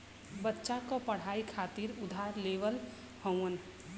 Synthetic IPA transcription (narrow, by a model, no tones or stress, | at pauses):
bətːʃakopəɽ̤aikʰat̪iɾʊd̪ʱaɾleʋəl | həw̃ən